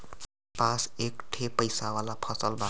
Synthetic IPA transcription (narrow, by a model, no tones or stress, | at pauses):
pãsekʈʰepəjsawalapʰʌsəlbʱa